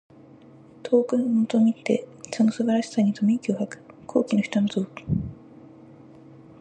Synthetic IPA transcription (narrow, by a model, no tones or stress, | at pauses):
t̪ʰo̞ːkɯ̟nomot̪omʲit̪ːe̞so̞no̞sɨbaɾaɕi̥saɲ̟it̪ʰo̞mʲĩikʲiohakɯ̥kʰo̞̰ːkʲinoçi̥t̪onoto̞ːki̥